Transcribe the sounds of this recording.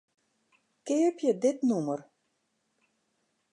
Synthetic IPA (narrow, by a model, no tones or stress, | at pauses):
kɪːəpjədɪtnumər